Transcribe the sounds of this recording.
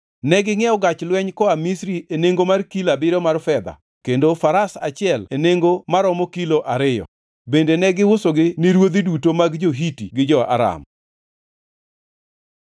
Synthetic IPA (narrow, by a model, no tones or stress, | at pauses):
nɛɡɪŋɛɔɡat͡ʃlwɛɲkɔamisɾieneŋɡomarkilabɪɾɔmarfɛd̪a̰ | kendofaɾasa̰t͡ʃɪɛleneŋɡomaɾɔmɔkiloʔaɾɪjɔ̰ | bendenɛɡɪwʊsoɡɪniɾwod̪idutomaɡd͡ʒoɦitiɡɪd͡ʒɔa̰ɾa̰m